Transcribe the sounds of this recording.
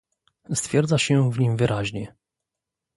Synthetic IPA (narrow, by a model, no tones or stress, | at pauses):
st̪fʲjɛɾd̪zaɕɛvɲimvɘɾʔaʑɲɛ